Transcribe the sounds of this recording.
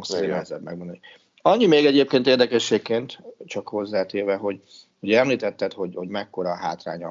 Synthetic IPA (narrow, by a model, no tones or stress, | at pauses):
ŋseːnɛɛzɛb̪mɛ̰ɡmond̪ɔni | ɒɲːimeːɡɛɟeːp̚keːnt̪eːrd̪ɛkɛʃːeːkːeːnt̪t͡ʃɒkho̞zːaːt̪eːrvɛɦo̞ɟ | ho̞ɟɛmliːt̪ɛt̪ːɛt̪ho̞ɟho̞ɟmɛkːo̞ɾɒɦa̰ːt̪ra̰ːɲɒ